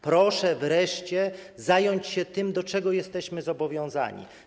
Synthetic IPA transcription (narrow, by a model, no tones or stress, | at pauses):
pɾɔʂɛvɾɛʂt͡ɕɛzajɔɲt͡ɕɕɛt̪ɘmd̪ɔt͡ʂɛɡɔjɛst̪ɛɕmɘzɔbɔvʲjɔ̃w̃za̰ɲḭ